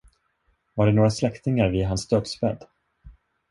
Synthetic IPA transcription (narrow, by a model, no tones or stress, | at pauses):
vaɖɛnoːɾaslɛkt̪ɪŋaɾvɪɦansd̪œːd̪spɛd̪ː